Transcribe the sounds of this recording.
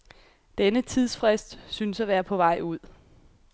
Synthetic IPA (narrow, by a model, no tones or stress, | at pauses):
d̥enət͡sʰið̞̰ˠsfʁesd̥synsæʋæːɐpʰɒ̽ʋɑ̈ɪ̰uð̞̰ˠ